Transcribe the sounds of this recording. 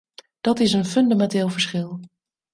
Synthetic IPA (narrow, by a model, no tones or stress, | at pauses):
d̥ɑtɪsənfɵndamɛnteːlˠvəɹsχɪlˠ